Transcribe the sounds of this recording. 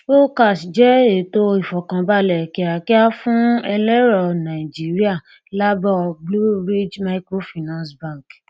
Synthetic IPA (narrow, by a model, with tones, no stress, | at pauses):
o˦ka˦˨si˨d͡ʒɛ˦e˨˦to˦i˦˨fɔ˨kã˨ba˦˨lɛ˨ki˨ɾa˨ki˦a˦fũ˦ɛ˧lɛ˦ɾɔ˨nã˨i˨d͡ʒi˦ɾi˦a˦˨ | la˦bɔ˦blu˦ɾi˦d͡ʒma˧i˦kɾo˦fi˨nã˦sbã˦˨k